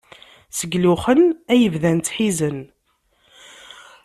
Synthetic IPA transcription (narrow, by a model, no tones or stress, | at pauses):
səɡluχənæjəvðænt̪ħizən